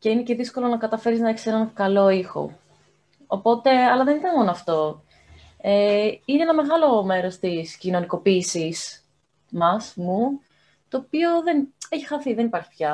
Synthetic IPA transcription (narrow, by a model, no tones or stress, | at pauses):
ce̞ine̞ce̞ðisko̞lo̞nɐkɐt̪ɐfe̞ɾiznɐeçisenɐkɐlo̞ixo̞̰ | opo̞t̪e̞ɐlɐðe̞nit̪ɐnmo̞noɐft̪o̞ | eineenɐme̞ɣɐlo̞me̞ɾo̞st̪iscino̞niko̞piːsis | mɐsmu | t̪o̞ːpio̞ðeneçi̥xɐθiðe̞nipɐɾçi̥pçɐ